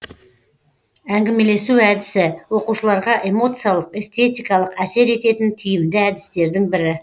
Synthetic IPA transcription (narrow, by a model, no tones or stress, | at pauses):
æŋɡʲɪme̞le̞suæd̪ɪsɪwo̞quʃəlˠɑɾʁɑʔe̞mo̞t̪sɨjalˠəqe̞st̪e̞t̪ijkɑlˠəqæse̞ɾe̞t̪e̞t̪ɪnt̪ʰijɪmd̪ɪæd̪ɪst̪e̞ɾd̪ɪŋbɪɾɪ